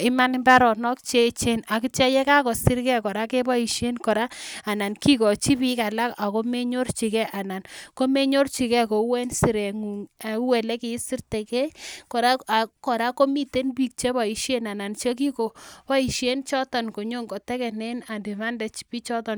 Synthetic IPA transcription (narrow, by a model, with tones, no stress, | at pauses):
ɪ˦ma˦nmba˦ɾɔ˨nɔ˦kt͡ʃe˦t͡ʃe˦na˨ki˦t͡ʃa˦jɛ˦ka˦kɔ˨si˦ɾkɛ˦kɔ˨ɾa˦ke˦ba˦i˨ʃe˦nkɔ˨ɾa˦a˨na˨nki˦kɔ˨t͡ʃi˦pi˦ka˨la˦ka˨ko˦me˦ɲo˦rt͡ʃi˨kɛ˦ʔa˨na˨nko˦me˦ɲo˦rt͡ʃi˨kɛ˦˨ko˨˦wɛ˦nsi˨ɾe˨ŋu˨ŋa˨˦wɛ˨lɛ˦ke˨˦si˦rtɛ˨kɛ˦kɔ˨ɾa˦a˨kɔ˨ɾa˦ko˦mi˦te˦nbi˨k̚t͡ʃe˦ba˨i˨ʃje˦na˨na˨nt͡ʃe˦k̬i˦ko˨pa˦i˨ʃe˦nt͡ʃɔ˦tɔ˨nko˨ɲo˦ŋkɔ˨tɛ˦kɛ˨ne˦na˨ndi˨ma˦ndɛ˨t͡ʃi̥˨pi˦t͡ʃɔ˦tɔ˨n